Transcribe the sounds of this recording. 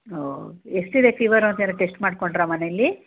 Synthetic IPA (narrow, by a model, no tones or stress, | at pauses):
oːesʈid̪e̞pʰiːʋɐɾont̪enɐʈe̞sʈmaːɽkoɳɖɾɐmɐnelːi